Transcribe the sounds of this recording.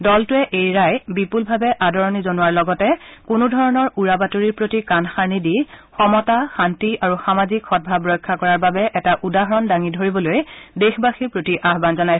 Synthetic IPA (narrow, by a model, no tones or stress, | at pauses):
dɔltʊɛʔejɹajbipulbʱabɛʔadɔɹɔnizonʊwaɹlɔɡɔtɛkʊnʊdʱɔɹɔnɔɹuɹabatoɹiɹpɹotikanxaɹnidixɔmɔtaxantiaɹuxamazikxɔt̚bʱabɹɔjkʰːakɔɹaɹbabɛʔɛtaʔudaɦɔɹɔndaŋidʱoɹibɔlojdexbaxiɹpɹotiʔaxbanzɔnaj